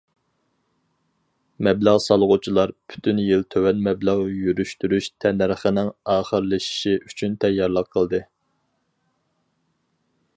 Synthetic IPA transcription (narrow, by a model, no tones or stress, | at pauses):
mɛbləʁsɑlˠʁut͡ʃʰilˠɑɾpʰy̥t̪ʰynjilt̪ʰøwɛnmɛblæʁjyɾyʃt̪yɾyʃt̪ʰɛnæɾχənɪŋɑːχəɾlɨʃi̥ʃiʔyt͡ʃʰynt̪ʰɛjːɑɾlˠəqʰːəlˠd̪ɨ